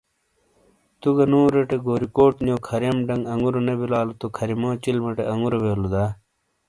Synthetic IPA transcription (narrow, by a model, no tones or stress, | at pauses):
t̪uɡɐnoːɾeʈeɡoːɾikoːʈnjõːkʰɐɾjɐmɖɐŋɡɐŋɡuɾonebilaːlut̪okʰɐɾimõːt͡ɕilmɐʈeʔɐŋɡuɾobeːlud̪aː